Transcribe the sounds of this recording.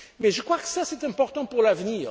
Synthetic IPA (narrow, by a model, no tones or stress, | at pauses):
mɛʒəkχwakə̥sasɛt̪ɛ̃pɔʁt̪ɑ̃puʁlavəniːʁ